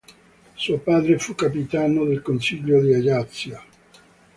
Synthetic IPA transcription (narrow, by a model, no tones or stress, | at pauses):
suopaːd̪ɾefukːapit̪aːnod̪elkont͡ʃiʎːod̪iaɡat̪sːja